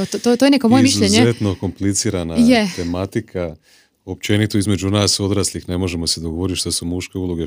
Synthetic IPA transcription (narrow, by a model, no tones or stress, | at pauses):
ot̪ot̪ojenekomojemiʃzuʎɲzeet̪no̞ko̞mplit̪siːɾanajet̪e̞mat̪ikʰa | o̞p̚t͡ʃe̞nit̪oizme̞d͡ʒunaːso̞d̪ɾaːslixne̞mo̞ʒe̞mose̞d̪oɡo̞ʋo̞ɾit̪ʃt̪asumuʃke̞ulˠoɡe